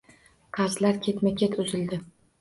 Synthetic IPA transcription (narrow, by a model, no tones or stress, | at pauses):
qʰɑɾzlaɾkʲʰe̞t̪makʲʰet̪ʰʊzɪld̪ɪ